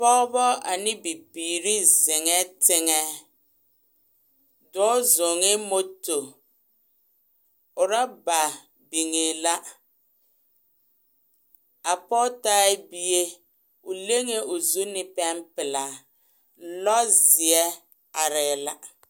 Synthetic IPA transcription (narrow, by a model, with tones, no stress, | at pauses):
pɔ˦bɔ˦a˨nɪ˦bi˨biː˨ɾi˦zɪ˨ŋɛ˦tɪ˦ŋɛ˦ | dɔ˦zo˨ŋe˦mo˦to˨ | ʊ˨ɾa˦ba˨ | bi˨ŋe˨la˦ | a˨pɔ˦ta˦bi˦je˦ | ʊ˨le˦ŋe˦ʔʊ˨zu˦nɪ˦pɛ˦mpɪ˨la˨ | lɔ˦zɪ˨ɛ˦ | a˨ɾɪ˨la˦